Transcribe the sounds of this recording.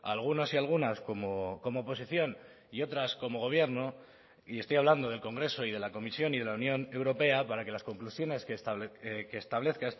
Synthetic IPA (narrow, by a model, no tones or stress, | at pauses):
a̰lɣ̞uno̞sialɣ̞unasko̞moko̞mo̞ːpo̞siθjo̞n | io̞t̪ɾasko̞mo̞ɣ̞o̞β̞je̞ɾno̞ | iest̪ojaβland̪o̞ð̞e̞lko̞ŋɡɾe̞so̞ið̞e̞lako̞misjo̞nið̞e̞launjo̞ne̞wɾope̞apaɾake̞lasko̞ŋklusjo̞ne̞skest̪keːst̪aβle̞θkaes